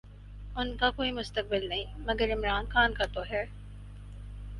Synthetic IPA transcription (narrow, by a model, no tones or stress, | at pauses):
ʊnkakoːimʊst̪ɐk̚bɪlnɐĩmɐɡɐɾɪmɾaːnxaːnkɐt̪oːɦeɭ